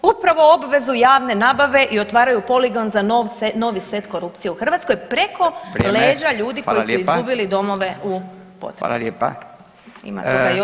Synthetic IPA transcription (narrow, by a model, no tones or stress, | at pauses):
upɾaʋo̞o̞bʋe̞zujaːʋne̞naːbaʋe̞ʔio̞t̪ʋaːɾajupo̞liɡo̞nzaʋno̞ʋise̞t̪ko̞ɾupt̪sije̞uxr̩ʋaːt̪skojpɾe̞ko̞le̞ːd͡ʒaʎuːd̪iko̞jisuizɡubilid̪o̞mo̞ʋe̞ʔu | po̰t̪ɾ̰ | ḭma̰t̪oɡajo